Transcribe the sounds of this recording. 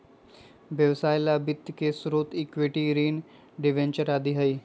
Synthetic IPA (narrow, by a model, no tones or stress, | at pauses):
ʋjəʋsaːjlabɪt̪ːkesʊɾoːt̪ɪkʋeːʈiɾiːn | ɖɪʋẽnt͡ʃəɾaːd̪iɦɐiː